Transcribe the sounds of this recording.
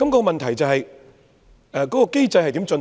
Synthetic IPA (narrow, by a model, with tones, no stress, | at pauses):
kɐ˨˦mkɔː˨˧kɔ˧mɐ˨nt̪ʰɐ˨˩jt͡sɐ˨wɦɐ˨j | ʔɛː˨˧kɔː˨˥kɔː˧ke˥jt͡sɐ˧jhɐ˨jt̪i˨˥mt͡ʃɵ˧n